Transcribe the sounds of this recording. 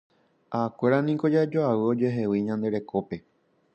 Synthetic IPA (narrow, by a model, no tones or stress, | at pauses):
aːkʷe̞ɾanĩko̞d͡ʒad͡ʒoawɨo̞d͡ʒe̞ɦe̞wiɲãnd̪e̞ɾe̞ko̞pe̞